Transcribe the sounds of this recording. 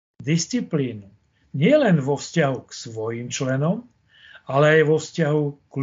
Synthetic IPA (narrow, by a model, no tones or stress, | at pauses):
d̪ist͡sipliːnu | ɲɪɛlɛnʋɔfscaɦuksʋɔjiːmt͡ʃlɛnɔm | alɛajʋɔfscaɦukl